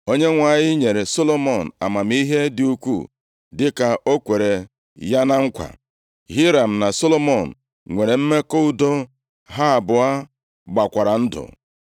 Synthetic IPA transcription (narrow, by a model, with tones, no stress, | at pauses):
o˦ɲe˦ŋʷa˨ɲɪ˦ɲe˨ɾe˨so˦lo˦mɔ˦˨n̩˨a˨ma˨m̩˦i˦ɦe˦dɪ˨u˦kʷṵ˦˨ | dɪ˦ka˨ʔo˦kʷe˨ɾe˨ | ja˦na˦ŋ̩˦kʷa̰˨ | ɦi˦ɾa˨m̩˨na˨so˦lo˦mɔ˨n̩˨ | ŋʷe˨ɾe˨m̩˦me˦ko˦u˦do˦ | ɦa˦a˨bʊ˨a˦ | ɡ͡ba˨kʷa˨ɾa˨n̩˦dʊ̰˨